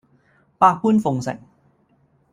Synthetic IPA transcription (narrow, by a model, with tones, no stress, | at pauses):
paː˧˩pʰuː˥˨nfo˨˧˦ŋsɛ̰˨˩˦ŋ